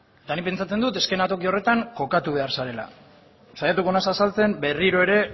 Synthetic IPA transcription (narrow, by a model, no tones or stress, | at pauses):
et̪anipe̞nt͡sat͡se̞nd̪ut̪e̞ske̞nat̪o̞kio̞re̞t̪aŋko̞kat̪uβ̞e̞aɾsaɾe̞la̰ | sajat̪uko̞nasasalt͡se̞mbe̞riɾo̞e̞ɾe̞